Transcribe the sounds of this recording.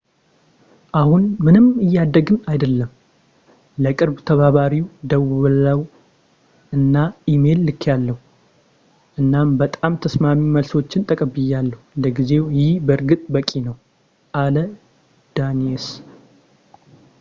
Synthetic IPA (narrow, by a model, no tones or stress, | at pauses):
ʔahunmɨnɨmɨjːad̪ːəɡɨmajd̪əlːəm | ləkʼɨɾbt̪ʰəβaβaɾiwd̪əwlaw | ɨnːaʔime̞lːɨkʰːjalːəhu | ʔɨnːambət̪ʼamt̪ʰəsmamiməlso̞t͡ʃːɪnt̪ʼəkʼəbɨjːalːəhuləɡize̞wjɪhbəɾɡɨt̪ʼbəkʼinəw | ʔalə | d̪̥anies